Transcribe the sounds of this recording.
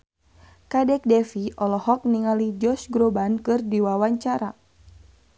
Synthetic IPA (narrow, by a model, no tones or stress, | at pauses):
kadɛk̚dɛfiʔɔlɔhɔk̚niŋalid͡ʒɔsɡɾobankɨrdiwawaɲt͡ʃaɾa